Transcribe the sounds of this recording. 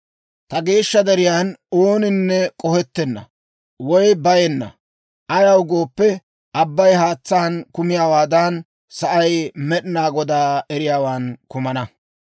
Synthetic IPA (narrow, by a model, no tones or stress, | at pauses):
t̪ɐɡe̞ːʃːɐd̪ɛɾɪjaːnoːnɪnːɛkʼɔhɛt̪ːɛnːɐ̰ | wɔjbɐjɛnːɐ̰ | ʔɐjɐwɡoːpːɛ | ʔɐbːɐjɦaːt͡sːaːnkʊmɪjaːwaːd̪aːn | sɐʔɐjmɛɗɪnaːɡɔd̪aːɛɾɪjaːwaːnkʊmɐnɐ